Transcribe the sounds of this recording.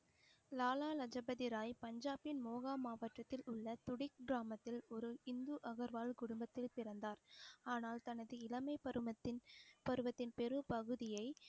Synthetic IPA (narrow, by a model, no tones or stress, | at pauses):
laːlaːlɐd͡ʒɐbɐðɪɾaːjpɐɲd͡ʒaːpɪnmoːɣaːmaːʋɐʈrɐt̪ːɪlʊɭːɐt̪ʊɽɪk̚ɡɪɾaːmɐt̪ːɪlɔɾɯɪnd̪uʔɐɣɐɾʋaːlkʊɽʊmbɐt̪ːɪlpɪɾɐnd̪aːɾaːnaːlt̪ɐnɐðɯɪlɐmɐɪpɐɾɐpɐɾɯʋɐt̪ːɪnpɛɾɯpɐɣɯðɪjɐɪ